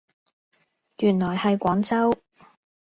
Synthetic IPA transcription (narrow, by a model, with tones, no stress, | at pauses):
jyː˨˩nlɔː˨˩jhɐ˨jkʷɔː˨˥ŋt͡sɐ˥w